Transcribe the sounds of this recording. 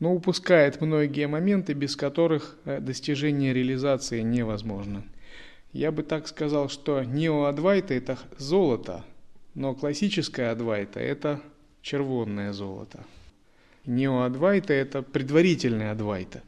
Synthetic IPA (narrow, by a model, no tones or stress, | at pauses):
noʊpʊskajɪt̪mno̞ɡʲɪjəmɐmʲe̞nt̪ɨbʲɪskɐt̪o̞ɾɨxd̪əsʲtʲɪʐɛnʲɪjəɾʲɪəlʲɪzat̪sɨɪnʲɪvɐzmo̞ʐnə | jabɨt̪akskɐzɑlˠʂt̪onʲɪoɐd̪vajt̪əɛt̪əzo̞lˠət̪ə̰no̞klˠɐsʲit͡ɕɪskəjəɐd̪vajt̪ə̰ɛ̰t̪ə | t͡ɕɪrvo̞nːəjəzo̞̰lˠə̰t̪ʰə | nʲɪoɐd̪vajt̪əɛt̪əpɾʲɪd̪vɐɾʲitʲɪlʲnəjəɐd̪va̰jt̪ə̥